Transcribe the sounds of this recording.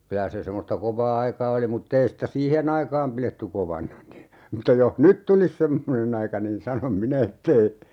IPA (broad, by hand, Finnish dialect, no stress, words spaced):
kylæ se semːostɑ koʋɑː ɑikɑː oli mutː ei sĭtæ siːhen ɑikɑːm piletːy koʋɑnɑ ni mutːɑ joh nyt tulis semːonen ɑikɑ niːn sɑnom minæ etː ei